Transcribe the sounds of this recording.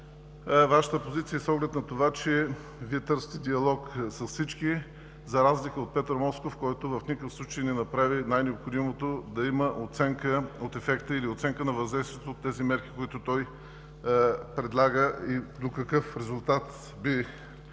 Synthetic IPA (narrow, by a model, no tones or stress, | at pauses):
vaʃə̥t̪əpozit̪sijəɛsɔɡlɛt̪nɐt̪ovat͡ʃɛ | viɛt̪ɤɾsət̪ɛd̪iɐlˠɔksɐssit͡ʃki | zɐɾazlikəot̪̚pɛt̪ɾmɔskofkɔjt̪ovɐfnʲikəfslˠut͡ʃəjnɛnɐpɾavinajnɛopxod̪imot̪od̪ɐiməʔot̪sɛŋkəot̪ɛfɛkt̪əiliot̪sɛŋkənɐvɐzd̪ɛjst̪vijɛt̪oːt̪ːɛzimɛɾki̥koit̪ʊt̪ɔj | pɾɛd̪lˠaɡəid̪okɐkɤfɾɛzʊlˠt̪at̪ | bi